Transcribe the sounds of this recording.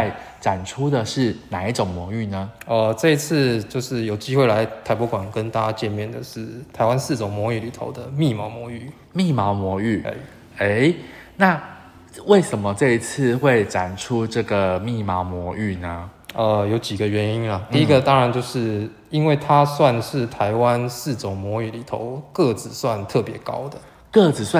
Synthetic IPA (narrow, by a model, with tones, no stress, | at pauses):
ɪ | ʈ͡ʂa˨˩nʈ͡ʂʰu˦d̪ə˨ʂɻ̩˥˩na˨˩i˥˩ʈ͡ʂo˨˩ŋmwɔ˧˥y˥˩nə˩ə˧ʈ͡ʂɤ˥˩i˧˦t͡s̩ʰ˥˧t͡ɕjo˥˧ʊʂɻ̩˥˩jo˨˩ʊt͡ɕi˥xwe˥˩ɪla˧˦ɪt̪ʰa˧˥ɪpɔ˧˥kwa˨˩nkə˦nt̪a˥˧˩t͡ɕa˧˥t͡ɕjɛ˥˧nmjɛ˥˩nd̪ə˩ʂɻ̩˥˩t̪ʰa˧˥ɪwa˦nsɹ̩˥˩ʈ͡ʂo˨˩ŋmwɔ˧˥˦y˥˩li˨˩t̪ʰo̰˨˦ʊd̪ə˧mi˥˩mɑ˧˥ʊmwɔ˧˥˦y˥˩ | mi˥˩mɑ˧˥ʊmwɔ˧˥y˥˩˥ | e˦˥ɪna˥˨ | we˥˩ɪʂə˨˦nmə˦ʈ͡ʂɤ˥˧i˧t͡s̩ʰ˥˧xwe˥˩ɪʈ͡ʂa˨˩nʈ͡ʂʰu˦ʈ͡ʂɤ˥˩ɡə˩mi˥˩ma˧˥ʊmwɔ˧˥y˥˩nə˦ə˧jo˨˧˥ʊt͡ɕi˨˩ɡə˦ɥɛ˧˦ni˥nlɐ˨t̪i˥˧i˦˥ɡə˨t̪ɑ˦ŋɻa˧˦nt͡ɕjo˥˧ʊʂɻ̩˥˩ | i˦nwe˥˩ɪt̪ʰa˦swa˥˧nʂɻ̩˥˩t̪ʰa˧˥ɪwa˦nsɹ̩˥˩ʈ͡ʂo˨˩ŋmwɔ˧˥y˨˩li˨˩t̪ʰo̰˧˦ʊkɤ˥˩t͡sɹ̩˨˩swa˥˧nt̪ʰɤ˥˩pjɛ˧˥˦kɑ̰˦˥ʊd̪ə˨ | kɤ˥˧˩t͡sɹ̩˨˩swa˥˨